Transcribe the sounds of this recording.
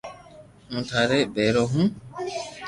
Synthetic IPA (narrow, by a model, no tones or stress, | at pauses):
mũːt̪ʰaːɾeːɓeːɾoːɦũː